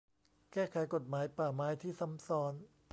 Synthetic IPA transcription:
kɛː˥˩kʰa˨˩˦jko˨˩t̪̚maː˩˦jpaː˨˩maː˨˦jt̪ʰiː˥˩sa˩˦msɔː˦˥n

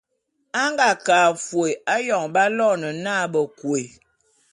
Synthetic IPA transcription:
a˦ŋɡa˨kaː˨fwe˨a˦jɔ˨ŋba˦lɔ˦˨nə˨na˦bə˨kwe˨

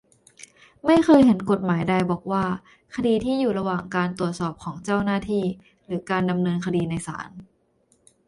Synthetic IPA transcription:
ma˥˩jkʰɤː˧jɦe˩˦nko˨˩t̪̚maː˩˦jda˧jbɔː˨˩k̚waː˥˩ | kʰa˧diː˧t̪ʰiː˥˩juː˨˩ɾa˧waː˨˩ŋkaː˧nt̪u˨˩ət̪̚sɔː˨˩p̚kʰɔː˩˦ŋt͡ɕa˥˩wnaː˥˩t̪ʰiː˥˩ | ɾɯː˩˦kaː˧nda˧mnɤː˧nkʰa˧diː˧na˧jsa̰ː˩˦n

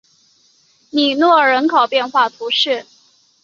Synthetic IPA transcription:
ni˨˩nwɔ˥˩ɻə˧˥nkʰɑ˨˩ʊpjɛ˥˧nxwa˥˩t̪ʰu˧˥ʂɻ̩˥˩

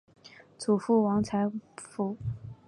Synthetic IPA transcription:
t͡sʰu˨˩fu˥˩wɑ˧˥ŋt͡sʰa˧˥ɪfu˧˥

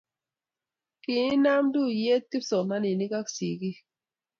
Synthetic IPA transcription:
ki˨i˦na˦mdu˦je˦t̚ki˦psɔ˨na˦ni˨ni˦ka˦ksi˨ki˦

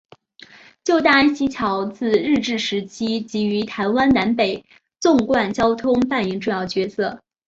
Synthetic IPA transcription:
t͡ɕjo˥˧ʊt̪a˥˩a˥nɕi˧˥t͡ɕʰjɑ˧˥ʊt͡sɹ̩˥˧ɻɻ̩˥˧ʈ͡ʂɻ̩˥˩ʂɻ̩˧˥t͡ɕʰi˥t͡ɕi˧˥y˧˥t̪ʰa˧˥ɪwa˥nna˧˥npe˨˩ɪ | t͡sʊ˥˧ŋkwa˥˩nt͡ɕjɑ˥ʊt̪ʰʊ˥ŋpa˥˩ni˧˥ŋʈ͡ʂʊ˥˧jɑ˥˩ʊt͡ɕɥɛ˧˥sɤ˥˩

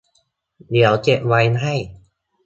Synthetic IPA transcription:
d̪i˩˦əwt͡ɕe˨˩p̚wa˧jnɦa˥˩j

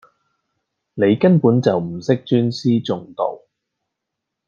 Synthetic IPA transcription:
ne˨˧jkɐ˥npuː˨˥nt͡sɐ˨wm̩˨˩sɪ˥k̚t͡ʃyː˥nsiː˥t͡sʊ˨ŋt̪o̰˨˩w

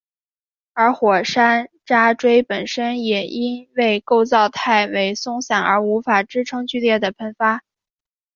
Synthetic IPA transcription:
ə˞˧˥xwɔ˨˩ʂa˥n | ʈ͡ʂa˥ʈ͡ʂwe˥ɪpə˨˩nʂə˥njɛ˨˩ʔi˥nwe˥˧ɪko˥˧ʊt͡sɑ˥˧ʊt̪ʰa˥˩ɪwe˧˥ɪsʊ˥ŋɕjɑ˨˩ŋə̰˞˧˥u˧˥fa˨˩ʈ͡ʂɻ̩˥ʈ͡ʂʰɤ˥ŋt͡ɕy˥˧ljɛ˥˩d̪ə˩pʰə˧˥nfa˥

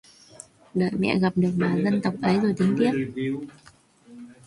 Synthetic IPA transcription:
ɗə̰ː˧˨jmɛ̰˧˨ɣa˨˩p̚ɗɨ˨˩ək̚maː˨˩zə˧nt̪ə˨˩wk͡p̚ʔə˨˦jzo˨˩jt̪ï˨˦ŋ̟t̪i˦˥ə

